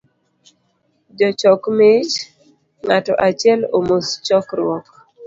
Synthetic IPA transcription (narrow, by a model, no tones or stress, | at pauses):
d͡ʒɔt͡ʃɔkmɪt͡ʃ | ŋatɔʔat͡ʃjɛlomost͡ʃɔkɾwɔk